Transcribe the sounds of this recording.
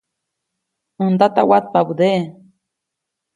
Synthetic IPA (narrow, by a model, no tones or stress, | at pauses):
ənd̪at̪awat̪̚pabud̪e